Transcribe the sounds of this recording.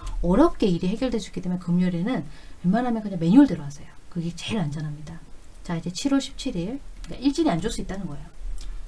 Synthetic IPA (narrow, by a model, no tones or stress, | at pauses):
ʌɾʌp̚k͈e̞iɾiɦe̞ɡjʌɭdwed͡ʑuik͈it͈emenkɯmɲoɾenɯnjʌɭmanɦamjʌnkɯɲaŋme̞ɲuɭdɯɾʌwasʰʌjokɯɡet͡ɕe̞ɾand͡ʑʌnɦamɲida | t͡ɕaid͡ʑe̞t͡ɕʰiɾwʌɭɕʰi̥p̚t͡ɕʰiɾiɭk͈aiɭt͡ɕ͈iɾiand͡ʑoɭs͈uit͈anɯnɡʌe̞jo